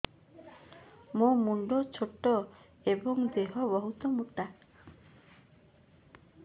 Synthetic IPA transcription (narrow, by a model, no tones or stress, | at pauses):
momuɳɖɔt͡ʃʰoʈːɔ | ebɔŋd̪eɦɔbɔɦut̪ɔmuʈ̪a